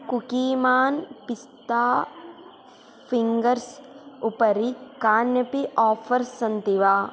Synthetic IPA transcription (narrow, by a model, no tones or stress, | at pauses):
kukiːmaːnpist̪aː | fʰiŋɡɐɾsʊpɐɾikaːnjɐpiʔɔːpʰɐɾsɐnt̪iʋaː